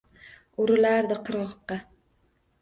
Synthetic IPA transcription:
ʊɾɪlaɾd̪ɪqʰɨɾɒqːɑ

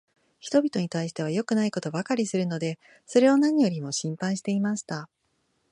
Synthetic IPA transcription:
çi̥t̪o̞bʲit̪o̞ɲ̟it̪aiɕi̥t̪e̞β̞ajo̞kɯ̟naiko̞t̪o̞bakaɾʲisɨɾɯ̟no̞d̪e̞ | so̞ɾe̞onãɲ̟ijo̞ɾʲimo̞ɕĩmpãɰ̃ɕi̥t̪e̞imaɕi̥t̪a

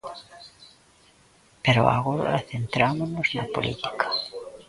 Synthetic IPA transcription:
peɾo̰a̰ɣoɾa̰θent̪ɾamonoznapo̰lḭt̪i̥kʰḁ

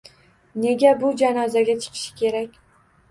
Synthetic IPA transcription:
ne̞ɡʲabʊd͡ʒanɒzaɡʲat͡ʃʰɨ̥qʰɨ̥ʃɪ̥kʲʰe̞ɾakʲ

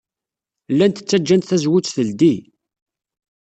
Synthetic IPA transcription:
lːænt̪ə̥t͡sːæd͡ʒːænt̪θæzwʊt͡sːθəld̪i

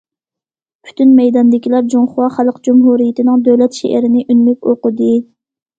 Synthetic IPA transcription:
pʰy̥t̪ynmɛjd̪ɑnd̪ɪkʲʰilæɾd͡ʒoŋχʊwɑχælˠqd͡ʒumɦuɾijɪt̪ʰɪnɨŋd̪øwlɛt̪ʃḛʔɪɾɪnɪʔynmykʲoqʊd̪ɨ

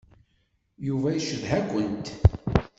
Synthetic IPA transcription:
juvæjəʃəðɦæɡʷənt̪

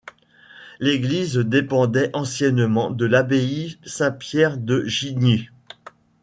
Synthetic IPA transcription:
leɡlizd̪epɑ̃d̪ɛʔɑ̃sjɛnmɑ̃d̪əlabeisɛ̃pjɛʁd̪əʒini

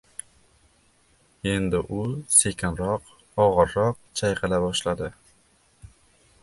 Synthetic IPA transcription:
e̞nd̪ɪʔʊse̞kʰʲɪnɾɒq | ɒʁɨɾːɒq̚t͡ʃʰajqɨlabɒʃlad̪ɪ

